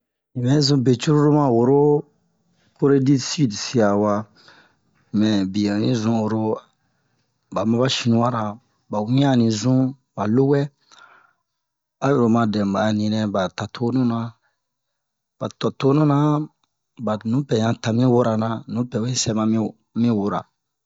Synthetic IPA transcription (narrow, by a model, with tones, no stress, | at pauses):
nĩ˨bɛ˦zũ˦be˨t͡ʃu˦ɾu˦ɾo˦mã˦wo˨ɾo˦ | ko˦ɾe˦di˦si˦dsi˦a˨wa˨ | mɛ̃˨bi˨ã˨nĩ˦zũ˦o˨ɾo˦ | ba˨mã˦ba˦ʃi˧nũ˦wa˦ɾa˨ | ba˨wĩ˦ã˦˨nĩ˨zũ˦ | ba˨lo˦wɛ˦ | a˦jo˨ɾo˨mã˨dɛ̃˨ba˨nĩ˨nɛ̃˨ba˨ta˨tʰo˦nũ˦nã˨ | b̥a˨tɔ˨to˦nũ˦nã˨ | ba˨nũ˨˦pɛ˨jã˨ta˨mĩ˦wo˦ɾa˨nã˨nũ˨˦pɛ˨we˦sɛ˦mã˦mĩ˦ | mĩ˦wo˦ɾa̰˨